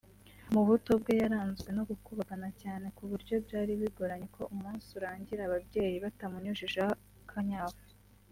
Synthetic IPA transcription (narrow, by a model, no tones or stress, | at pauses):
muβuto̞bɡe̞jaɾaːnzɡwe̞no̞ɡukuβakanacaːne̞kuβuɾɟo̞bɟaːɾiβiɡoɾaɲekʰo̞ʔumuːnsuɾaːɲɟiɾaβabɟe̞ːjiβatamuɲoʒiʒa | kʰaɲaːvu